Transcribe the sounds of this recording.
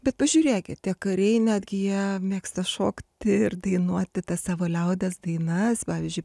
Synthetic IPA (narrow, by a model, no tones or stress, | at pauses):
bʲɛt̪pɐʒʲuːɾʲeːkʲɪt̪t̪ʲiɛkɐɾʲɛɪnʲæːd̪ʲɡʲɪjiɛmʲeːkst̪ɐʃoːkt̪ʲɪɪrd̪ɐɪnuɔt̪ʲɪt̪ɐssɑːʋoːlʲɛʊd̪ʲɛsd̪ɐɪnɐspɑːʋʲiːzʲd͡ʒʲʊɪ